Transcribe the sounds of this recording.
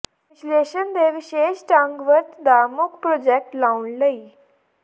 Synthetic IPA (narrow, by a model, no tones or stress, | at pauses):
iɕleɕənd̪eʋiɕeɕʈãŋɡʋəɾt̪d̪amuk̚pɾɔd͡ʑek̚ʈlauɳləi